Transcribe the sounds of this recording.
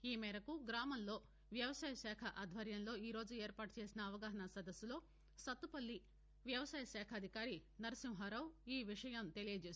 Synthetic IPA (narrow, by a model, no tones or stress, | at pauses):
iːmɛːɾɐkuɡɾaːmɐmlo̞ː | ʋjɐʋɐsaːjɐʃɛːkʰɐʔɐd̪ʱʋɐɾjɐnlo̞ːiːɾo̞ːd͡ʒueːɾpaːʈut͡ʃe̞ːsinɐːʋɐɡaːɦɐɳɐsɐd̪ɐsːulo̞ː | sɐt̪ːupɐlːi | ʋjɐʋɐsaːjɐʃɛːkʰɐːd̪ʱikaːɾinɐɾɐsimɦɐɾɐwiːʋiʂɐjɐmt̪e̞lijɐd͡ʒeːs